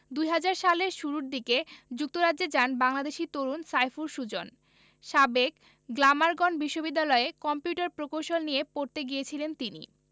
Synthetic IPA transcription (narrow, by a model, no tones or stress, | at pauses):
d̪ujɦad͡ʑaɾʃaleʃuɾuɾd̪iked͡ʑuk̚t̪oɾadd͡ʑed͡ʑanbaŋlad̪eʃit̪oɾunsajfuɾʃud͡ʑon | ʃabek | ɡlamaɾɡɔnbiʃːobid̪ːalɔekɔmpjuʈaɾpɾokowʃonnijepoɾt̪eɡiet͡ɕʰilent̪inḭ